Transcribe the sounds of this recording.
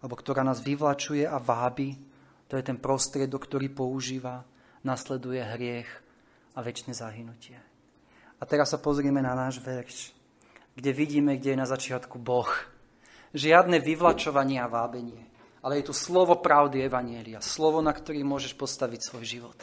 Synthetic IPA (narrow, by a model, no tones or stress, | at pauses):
alɛbɔkt̪ɔɾaːnaːzʋiʋlat͡ʃujɛʔaʋaːbi | t̪ɔjɛt̪ɛnpɾɔst̪ɾɪɛd̪ɔkːt̪ɔɾiːpɔuʒiːʋa | naslɛd̪ujɛɦɾɪɛx | aʋɛt͡ʃnɛzaɦinucɪɛ | at̪ɛɾasːapɔzɾɪɛmɛnanaːʒʋɛɾʃ | ɡɟɛʋiɟiːmɛɡɟɛjɛnazat͡ʃɪat̪kubɔx | ʒɪad̪nɛʋiʋlat͡ʃɔʋaɲɪɛaʋaːbɛɲɪɛ | alɛjɛt̪uslɔʋɔpɾaʊd̪iɛʋaɲɪɛliaslɔʋɔnakt̪ɔɾiːmʊɔʒɛʃpɔst̪aʋicsʋɔjʒiʋɔt̪